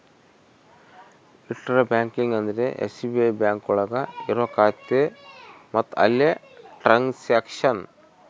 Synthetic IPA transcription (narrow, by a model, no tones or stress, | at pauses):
iʈːɾɐbʲaːŋkiŋɡɐnd̪ɾeʔḛsibebaːŋkuɭɐɡɐiɾokaːt̪ːemɐt̪ɐ̰lːeʈɾɐŋseːkʂɐn